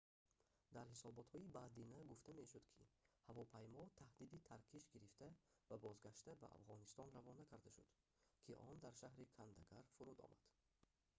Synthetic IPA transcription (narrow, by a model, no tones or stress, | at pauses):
d̪æɾhisɔbɔt̪hɔibad̪inæɡuft̪ʰæme̞ʃud̪kʰḭhavɔpʰajmɔt̪ʰahd̪id̪it̪ʰaɾkʰiʃɡiɾift̪ʰæ | vabɔzɡaʃt̪æbæ̰a̰fʁɔnist̪ɔnɾavɔnækʰæɾd̪aʃṵd̪̥ | kʰiʔɔnd̪æɾʃahɾikʰand̪aɡaɾfuɾud̪ɔ̰ma̰d̪̥